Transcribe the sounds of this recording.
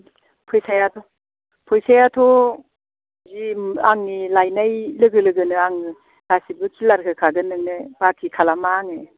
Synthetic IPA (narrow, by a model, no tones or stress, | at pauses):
pʰɔjsajatʰɔ | pʰɔjsajatʰɔ | ziaŋnilajnajlɯɡɯlɯɡɯnɯaŋɯ | d̥asibɯkʰilaɾkʰɯkʰaɡɯnɯŋnɯb̥akʰikʰalamaŋe